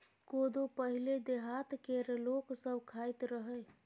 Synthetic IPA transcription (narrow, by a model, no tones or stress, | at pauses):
kod̪opəɦiled̪eɦat̪keɾloksəbkʰajt̪ɾəɦə